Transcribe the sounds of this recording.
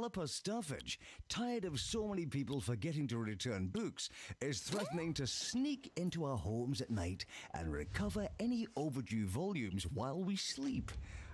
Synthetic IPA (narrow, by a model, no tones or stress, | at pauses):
lˠəpəstɑfɪ̰d̥ʒ̥tʰaɪə˞ɾʌv̥soʊmɛnipʰipl̩ˠfə˞ɡɛɾɪ̃ŋtɨɹɨtʰɜ̃˞nbʉksɪz̥θɹɛʔⁿn̩ɪ̃ŋtʰɨsnikɪ̃ntuaʊə˞hɔɹmzɨtⁿnaɪɾʔə̰̃nɹɪ̰kʰʌvə˞ɛnioʊvə˞d͡ʒʉvɑlˠjʉ̃mzwaɪlˠwislip